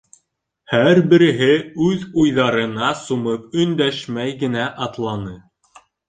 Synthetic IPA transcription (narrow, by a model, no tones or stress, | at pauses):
hæɾbɘ̆ɾɘ̆ɦɘʉðujðɑɾɤ̆nɑsumɤp̚ɵ̆nd̪æʃmæjɡɘ̆næʔɑt̪lˠɑnɤ